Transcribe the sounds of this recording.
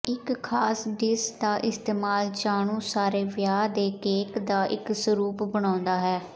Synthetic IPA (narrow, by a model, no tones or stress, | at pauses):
ɪkʰːaːsɖɪsd̪aːʔɪst̪eːmaːlt͡ʃaːɳ̃ũːsaːɾeːʋjaːd̪eːkeːkd̪aːʔɪ̰ksəɾuːpbəɽ̃ãːnd̪aːɦɛː